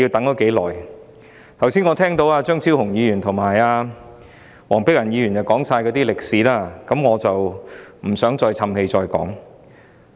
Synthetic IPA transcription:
i˧wt̪ɐ˨˥ŋt̪o˨˥wke˨˥jlɔː˨˩j | t̪ʰɐ˨˩wsiː˥nŋɔː˨˧t̪ʰɛː˥ŋt̪o˨˧˥waː˧t͡ʃœː˥ŋt͡sʰi˥whʊ˨˩ŋjiː˨˧jyː˨˩nt̪ʰʊ˨˩ŋmaː˨˩jaː˧ | wɔː˨˩ŋpɪ˥k̚jɐ˨˩njiː˧ɥyː˨˩njɐ˨˩wkɔː˨˥ŋsaː˧jkɔː˨˧˥t̪iː˥lɪ˨k̚siː˨˥laː˥kɐ˨˧˥mŋɔː˨˧t͡sɐ˨wm̩˨˩sœː˨˥ŋt͡sɔː˧jt͡sʰɐ˧mhe˧jt͡sɔː˧jkɔ̰ː˨˥ŋ

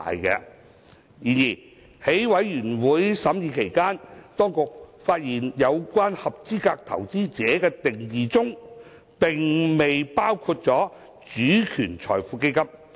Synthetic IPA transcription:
jkɛ̰˧ | jiː˨˩njiː˨˩ | he˨˥jwɐ˨˥jjyː˨˩nwuː˨˥jsɐ˨˥mjiː˨˧kʰe˨˩jkaː˥nt̪ɔː˥ŋkʊ˨k̚faː˧t̚jiː˨˩njɐ˨˧wkʷaː˥nhɐ˨p̚t͡siː˥kaː˧k̚t̪ʰɐ̰˨˩wt͡siː˥t͡sɛː˨˥kɛː˧t̪ɪ˨ŋjiː˨˩t͡sʊ˥ŋ | pɪ˨ŋme˨jpaː˥wkʰuː˧t̚t͡sɔː˨˥ | t͡ʃyː˨˥kʰyː˨˩nt͡sʰɔ̰ː˨˩jfuː˨˧ke˥jkɐ˥p̚

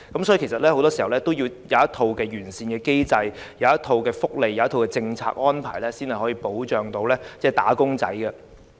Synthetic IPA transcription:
kɐ˨˥msɔ˨˥ji˧ke˨˩sɐ˨t̚lɛː˥ho˧wt̪ɔː˥si˨˩hɐ˨˩wlɛ˥t̪o˥wjiː˧wjɐ˨˧˦ɐ˥t̪ʰo˧wkɛː˧jyː˨˩nsiː˧nkɛː˧ke˥jt͡sɐ˧jjɐ˨˧wɐ˥t̪ʰo˧wkɛː˧fʊ˥k̚le˨ja˨˦ɐ˥t̪ʰo˧wkɛː˧t͡sɪ˧ŋt͡sʰa̰ː˧k̚ʔɔː˥npʰa̰ː˨˩jlɛː˥siː˥nhjhɔ˨˥jiː˧po˨˥wt͡ʃœː˨˧ŋt̪o˧wlɛː˥t͡sɛː˥˩t̪a̰ː˨˥kʊ˥ŋt͡sɐ̰˨˥jɡɐ˧

